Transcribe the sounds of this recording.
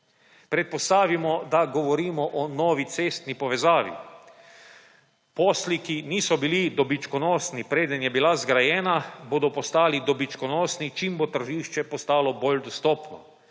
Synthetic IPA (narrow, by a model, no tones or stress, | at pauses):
pɾɛt̪̚pɔst̪aːʋimɔd̪aɡɔʋɔɾiːmɔʔɔnɔːʋit̪seːst̪nipɔʋɛzaːʋḭ | poːslikiniːsɔbilid̪ɔbit͡ʃkɔnɔːsnipɾeːd̪ənjɛbilazɡɾajɛːnaboːd̪ɔpɔst̪aːlid̪ɔbit͡ʃkɔnɔːsnit͡ʃimbot̪ərʒiːʃt͡ʃɛpɔst̪aːlɔbold̪ɔst̪ɔːpnɔ̰